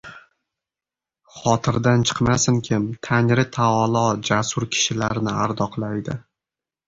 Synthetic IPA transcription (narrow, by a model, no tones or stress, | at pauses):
χɒt̪ʰɪɾd̪ant͡ʃʰɨ̥qmasɪŋkʲʰɪmt̪ʰanɾɪt̪ʰaɒlˠɒd͡ʒasʊɾkʲʰɪ̥ʃɪlaɾnɪaɾd̪ɒqlˠajd̪ɪ